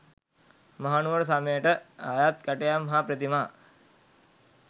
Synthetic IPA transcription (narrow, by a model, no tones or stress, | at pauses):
maɦanuʋəɾs̬aməjəʈəajat̪̚kəʈejamːɐɦapɾət̪imaː